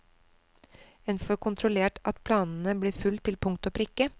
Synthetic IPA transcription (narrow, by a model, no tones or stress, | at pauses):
ɛnfɔɾkʰʊnt̪ʰɾʊleːʈʔɑt̪pʰlɑːnn̩əb̪iːfʉlt̪ʰɪlpʰʊŋk̚t̪opɾɪkːə